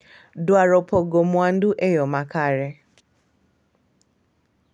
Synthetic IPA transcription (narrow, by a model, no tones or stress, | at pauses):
dwaɾopoɡomʷan̩duʔejomakaɾɪ